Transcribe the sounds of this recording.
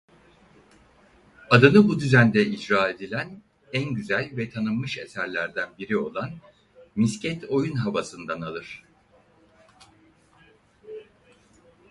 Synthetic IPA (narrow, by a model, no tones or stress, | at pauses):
ad̪ɯnɯbud̪yzænd̪ɛid͡ʒɾaːe̞d̪ilʲæn | ænɟyzælʲvɛt̪ʰanɯmːɯʃe̞̰sæɾlʲæɾd̪ænbiɾio̞̰lˠan | miscʰɛt̪ʰo̞junɦavasɯnd̪analˠɯɾ̝̥